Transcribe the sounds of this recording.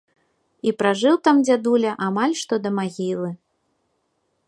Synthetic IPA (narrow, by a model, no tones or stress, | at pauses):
ipɾaʐɨwt̪amd͡zʲad̪ulʲɐʔamalʲʂt̪ɔd̪ɐmaɣʲilˠɨ